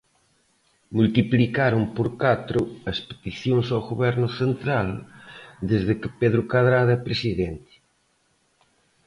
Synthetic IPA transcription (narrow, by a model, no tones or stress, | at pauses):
mult̪iplikaɾumpoɾkat̪ɾʊɐspe̥t̪iθjoŋsawɣoβɛɾnʊθent̪ɾal | d̪ezðɪkɪpeðɾʊkaðɾaðɛpɾesiðent̪ɪ̥